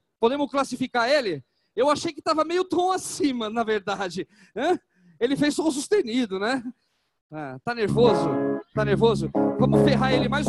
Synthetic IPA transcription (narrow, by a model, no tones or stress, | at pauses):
pod̪ẽmʊsklasifikaɾelɪ | ewaʃejkɪt̪avɐmejʊt̪ɐ̃w̃asĩmɐnɐveɾd̪ad͡ʒɪ | ɐ̃ | elɪfejsɔ̃s̬ust̪ẽnid̪ʊnɛ | ɛt̪aneɾvozʊt̪aneɾvozʊvɐ̃mʊfeɦaelɪmajz